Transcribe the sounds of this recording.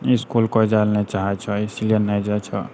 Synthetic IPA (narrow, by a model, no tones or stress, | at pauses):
iskulkɔd͡ʒalnet͡ʃaɦɛt͡ʃʰɔisilienəjd͡ʒat͡ʃʰɔ̰